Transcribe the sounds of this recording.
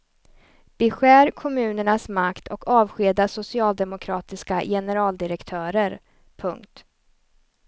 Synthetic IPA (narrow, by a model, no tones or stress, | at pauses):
b̥ɪɧæːɾkʰɔmʉ̟ːnəɳasmakt̪ʰɔkɑːvɧeːd̪asʊsɪɑːld̪ɛmʊkʰɾɑːt̪ɪskajɛnəɾɑːld̪ɪɾɛkt̪ʰœːɾəɾ | pʰɵŋkt̪